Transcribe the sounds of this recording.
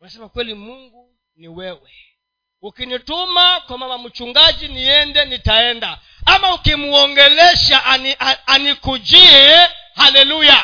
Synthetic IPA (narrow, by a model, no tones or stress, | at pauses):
wanasɛmakwɛlimuŋɡu | niwɛwɛ | ukinitumakwamamam̩t͡ʃuŋɡad͡ʒiniɛndɛnitaɛnda | amaukimuɔŋɡɛlɛʃaʔnianikud͡ʒiɛhalɛluja